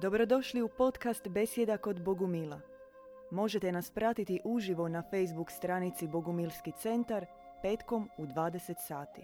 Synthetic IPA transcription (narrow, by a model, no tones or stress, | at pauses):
d̪o̞bɾo̞d̪o̞ʃliupo̞t̪kast̪be̞sje̞d̪ako̞d̪bo̞ɡumila | mo̞ʒe̞t̪e̞naspɾat̪it̪iʔuʒiʋonafe̞jzbukst̪ɾanit̪sibo̞ɡumilˠskit̪se̞nt̪aɾ | pe̞ːt̪ko̞mud̪ʋaːd̪e̞se̞t̪saːt̪i